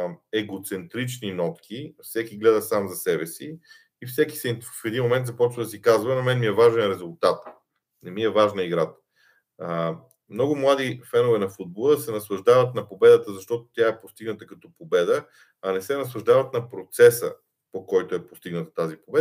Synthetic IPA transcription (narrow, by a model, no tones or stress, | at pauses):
ɛɡot̪sɛnt̪ɾit͡ʃninɔt̪kʰʲifsɛkiɡlɛd̪əsamzɐsɛbɛsiː | fsɛki̥sɛfɛd̪inmomɛnt̪zɐpɔt͡ʃvəd̪ɐsikazvɐnɐmɛnmiɛvaʒɛnɾɛzʊlˠt̪at̪ | nɛmiɛvaʒnəiɡɾat̪ | mnɔɡʊmlˠad̪ifɛnovɛnɐfud̪̚bolˠəsɛnɐslˠɐʒd̪avət̪nɐpobɛd̪ət̪əzɐʃt̪ɔt̪o̥t̪ʲjaɛpost̪iɡnət̪əkɐt̪ɔpobɛd̪ə | ɐnɛsɛnɐslˠɐʒd̪avət̪nɐpɾot̪sɛsə̰ | pokɔjt̪oɛpost̪iɡnət̪ə̥t̪azipobɛ